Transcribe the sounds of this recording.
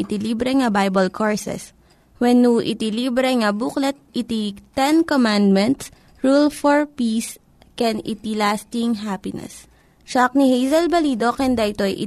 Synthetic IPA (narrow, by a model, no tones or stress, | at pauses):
ɪt̪iliːbɾɛŋɐbajbɐlkʰoɹsɛ̰s | wɛnːuʔɪ̰t̪iliːbɾɛŋɐbuklɛt̪̚ʔɪt̪it̪ɛnkomãnd̪̚mɛ̃nt̪s | ɹulfɔɹpis | kɛnɪ̰t̪ilast̪ɪŋɦapɪnɛ̰s | t͡ʃɐk̚nihejzɐlbɐliːd̪okɛnd̪aʔɪt̪ojʔɪ̰